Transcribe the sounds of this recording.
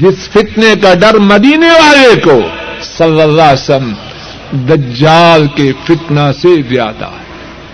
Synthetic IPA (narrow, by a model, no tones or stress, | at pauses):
d͡ʒɪsfɪt̪nekaɖɐɾmɐd̪iːneʋaːlekosɐlːɐlːasəm | d̪ɐd͡ʒːaːlkefɪt̪nasezja̰ːd̪a̰ːɦɛ